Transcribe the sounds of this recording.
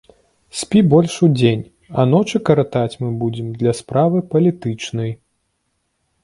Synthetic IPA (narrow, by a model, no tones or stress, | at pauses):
sʲpʲibɔlʲʂud͡zʲenʲ | ɐ̰nɔt͡ʂɨkɐɾɐt̪at͡sʲmɨbud͡zʲɛmd̪lʲɐspɾavɨpɐlʲit̪ɨt͡ʂnɐj